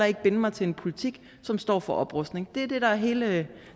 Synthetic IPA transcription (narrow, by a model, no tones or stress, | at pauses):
ɑ̈e̝ɡ̥əb̥e̝nəmɑ̈ɪt͡sʰe̝e̝npʰo̝lit͡sʰiɡ̥ | sɒ̽msd̥ɒ̰ːfɒ̽ʔɒ̽b̥ʁɔsd̥ne̝ŋd̥e̝æɐd̥e̝ɾ̥ɑ̈æɐɦe̝ːlə